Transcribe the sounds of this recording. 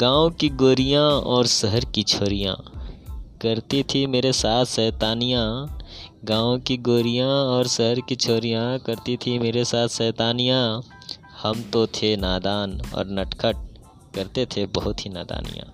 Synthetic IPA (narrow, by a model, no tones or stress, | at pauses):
ɡ̥ãːõkiɡoːɾijãɔːɾsəɦəɾkit͡ʃʰoːɾijã̰ | kɐɾt̪it̪ʰimeːɾesaːt̪ʰʃɛːt̪aːnijã | ɡãːõkiɡoːɾijãɔːɾsəɦəɾkit͡ʃʰoːɾijãkɐɾt̪it̪ʰimeːɾesaːt̪ʰʃɛːt̪aːnijã | hɐmt̪ot̪ʰenaːd̪aːnɔ̰ːɾnɐʈkʰəʈ̚ | kɐɾt̪et̪ʰebəɦʊt̪ɦina̰ːd̪a̰ːnḭjã̰ː